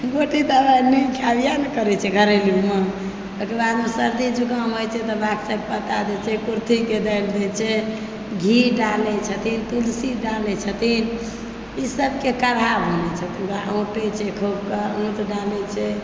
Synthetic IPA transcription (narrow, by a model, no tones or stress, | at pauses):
ɡoʈid̪əbanikʰabijanekəɾɛt͡ʃʰɛɡʱəɾelume | t̪əkebad̪mesəɾd̪id͡ʒukəmɦojt͡ʃʰɛt̪ɔbaksək̚pət̪ad̪ɛt͡ʃʰɛkuɾt̪ʰiked̪ajld̪ɛt͡ʃʰɛ | ɡʱiɖalɛt͡ʃʰət̪ʰint̪ulsiɖalɛt͡ʃʰət̪ʰin | isəb̚kekəɾ̤abʱonɛt͡ʃʰət̪ʰibaʔõʈɛt͡ʃʰɛkʰobkəõt̪ɖalɛt͡ʃʰɛ